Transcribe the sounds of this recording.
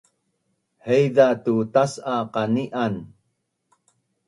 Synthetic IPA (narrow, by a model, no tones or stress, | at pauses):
hejdatutasaqaniʔan